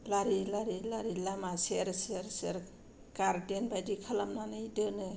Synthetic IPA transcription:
laɾilaɾilaɾilamaseɾsaɾseɾ | kaɾdenbajdikʰalamnanɯidɯnɯ

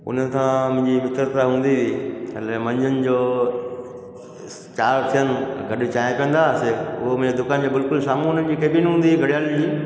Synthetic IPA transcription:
ʊ̰n̤ənɪ̆tʰãmʊ̃ɦɪ̃ɲd͡ʑimɪt̪ɾət̪aɦũːnd̪iʋiːəlemɐ̃ɲd͡ʑənɪ̆d͡ʑoː | t͡ɕaːɾt̪ʰijənɪ̆ɡɐɗit͡ɕaːɪ̃piə̃nd̪aːseʊɦomʊ̃ɦɲd͡ʑed̪ʊkaːnd͡ʑoːbɪlkʊlsaːmun̤ənd͡ʑiːkeːɓinɦũːn̆d̪iɡʱɐɽijaːld͡ʑiː

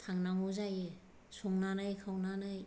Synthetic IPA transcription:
tʰaŋnaŋuzaje | suŋnanɯjkʰawnanɯj

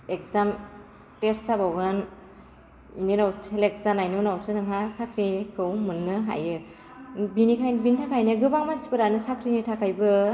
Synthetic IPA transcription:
ek̚zam | testabawɡɯn | ininawselek̚zanajnunawsɯnɯŋasakʰɾikʰɯwmɯnːɯɦa̰jɯ | binikʰajnbintʰakʰajnɯɡɯbaŋmansi̥pɯɾanɯsakʰɾinitʰakʰajbɯ

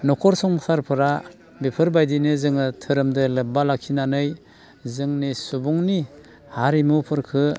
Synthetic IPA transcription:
nɔkʰɔɾsɔŋsaɾpʰɯɾa | bipʰɯɾbajdinɯzɯŋɯtʰɯɾɯmdɯlɯp̚balakʰinanɯj | zɯŋnisubuŋni | haɾimupʰɯɾkʰɯ

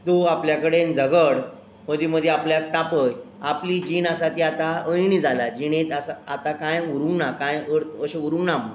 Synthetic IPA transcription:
t̪uapljakəɽend͡zʱəɡəɽ | məd̪ʱjeməd̪ʱjeapljak̚t̪apəj | apliːd͡ʑiːnasat̪iːat̪aəjɳid͡zʱalad͡ʑiñet̪asaat̪akãjuɾũŋɡnakãjəɽt̪əɕeuɾũŋɡnamə

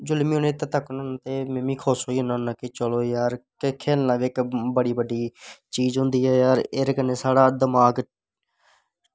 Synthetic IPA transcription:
d͡ʒʊlmĩːʊneːt̪eːt̪əknãnːt̪eːmẽːmĩːkʰoːsoːiːɦʊnãnaːkɪt͡ʃəloːjaːɾkɪkʰeːnlaːʋeɪkbəɽiːbəɖiːt͡ʃiːd͡ʒɦʊ̃nd̪iːɦɛːjaːɾeɾkənːeːsaːɽaːd̪əmaːɡ

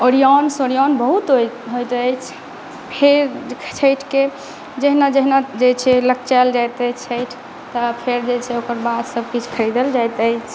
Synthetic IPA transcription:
oɾiɔnsoɾijɔnbəɦut̪ɦoɦojt̪əjt͡ʃʰ | pʰeɾt͡ʃʰəjʈʰke | d͡ʒeɦnad͡ʒeɦnad͡ʒet͡ʃʰɛləkt͡ʃald͡ʒajt̪ət͡ʃʰəjʈʰ | t̪ɔpʰeɾd͡ʒet͡ʃʰɛokəɾbad̪səb̚kit͡ʃʰkʰəɾid̪əld͡ʒajt̪əjt͡ʃʰ

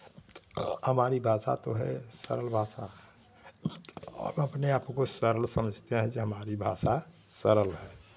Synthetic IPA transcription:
t̪həmaːɾibʱaːsa̰t̪oɦɛsə̰ɾəlbʱaːsa | t̪ɔ̰ːbəpneaːpkosəɾəlsəməd͡ʒʱt̪eɦɛ̃d͡ʒeɦəmaːɾibʱaːsasəɾəlɦɛː

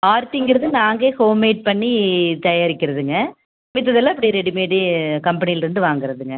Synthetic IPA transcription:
aːɾt̪iŋɡɪɾɐðɯnaːŋɡeːhoːmeːʈ̚pɐɳːit̪ɐjaːɾɪkːɪɾɐðɯŋɡɐ | mɪt̪̬ːɐðɛlːãɐpːɐɽiɾɛɽimeːʈikɐmpɐnɪjɪlɾɯnd̪ɯʋaːŋɡɪɾɐðɯŋɡɐ

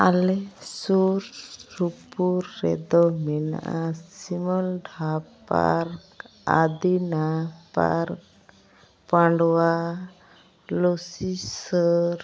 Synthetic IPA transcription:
alɛsuɾɾupuɾːɛ̰d̪ɔmɛna̰ʔasimɔlɖʱapa̰ɾka̰d̪inapa̰ɾk | pãɳɖwa | lɔsisəɾ

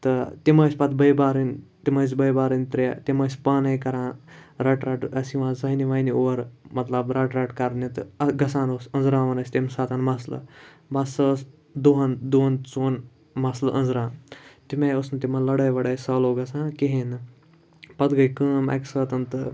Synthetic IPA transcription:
t̪ɨt̪imɐːsʲpɐt̪bɐjbaːɾɨnʲt̪imɐːs̬ʲbɐjbaːɾɨnʲt̪ɾḛt̪imɐːsʲpaːnɐjkɐɾãːɾɐʈɾɐʈɐsiʋãːzɐɦiniʋaːjnioːɾmɐt̪lɐbɾɐʈɾɐʈkɐɾnit̪ɨɡɐsãːnosɐnzɾãːʋɐnɐsʲt̪ʲimsaːt̪ɐnmɐslɐ̰ | basəːs | d̪uɦɐnd̪uɦɐnt͡soːn | mɐslɨʔɐnd͡zɾãːt̪imeːjosnɨt̪imɐnlɐɽɐjʋɐɽəjsɐːloːɡɐsãːkiɦinɨ | pɐt̪ɡɐjkəːmɐ̰kʲsəːt̪ɐnt̪ɨ

